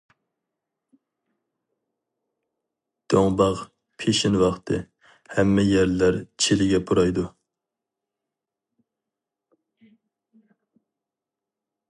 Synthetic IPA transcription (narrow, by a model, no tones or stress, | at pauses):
d̪̥oŋbɑʁ | pʰeʃɪnwɑχt̪ʰɨ | hɛmːɛjæɾlæɾt͡ʃʰelɪɡʲɛpʰuɾɑjd̪u